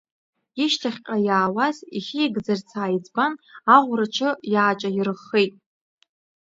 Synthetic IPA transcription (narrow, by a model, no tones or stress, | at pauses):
iʃtʰaχʲqʲʼajaːwaziχʲiiɡd͡zart͡sʰaːjid͡zbanaʁʷrat͡ʃʰɨjaːt͡ʃʼairɨχːejtʼ